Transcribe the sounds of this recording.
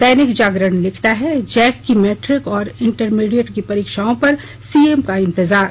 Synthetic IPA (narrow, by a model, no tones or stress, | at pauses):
t̪ɛːnɪkd͡ʒaːɡɾəɳ̃lɪkʰt̪aɦɛd͡ʒɛːkːimɛːʈɾɪkɔːɾɪ̃ɳʈəɾmiːɖijəʈkipɐɾiːkʃaːõpɐɾ | siːemkaɪ̃nt̪ɪzaːɾ